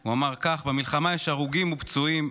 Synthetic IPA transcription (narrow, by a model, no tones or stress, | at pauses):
uamaʁkaχbemilχamajeʃaʁuɡimupt͡suim